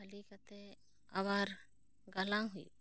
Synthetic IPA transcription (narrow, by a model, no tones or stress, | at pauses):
alikat̪ɛ | aβaɾ | ɡalaŋɦujṵ